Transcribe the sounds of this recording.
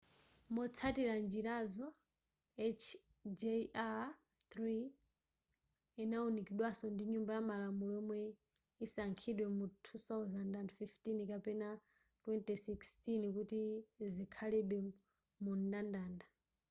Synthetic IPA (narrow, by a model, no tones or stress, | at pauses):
mɔt͡sʰatiɾand͡ʒiɾazɔ | ɛt͡ʃʰ | d͡ʒea | θɾi | inaunikiɗwasɔndiɲumbajamalamulɔmwɛ | isaŋkʰiɗwɛmutʰuθawzandandfiftinkapɛna | twɛntisikstinkutizikʰalɛɗwɛ | mundandaːnda